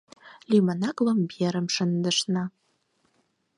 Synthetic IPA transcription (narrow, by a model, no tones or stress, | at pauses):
limanaklambijɛɾɨmʂɨndɨʂna